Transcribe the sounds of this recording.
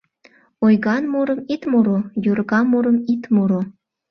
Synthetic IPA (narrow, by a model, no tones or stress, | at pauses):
ojɣɑnmuɾə̆mit̪moɾojurɣɑmuɾə̆mit̪muɾo